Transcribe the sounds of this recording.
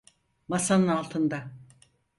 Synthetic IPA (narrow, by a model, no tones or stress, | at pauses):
masanɯnalˠt̪ʰɯnd̪a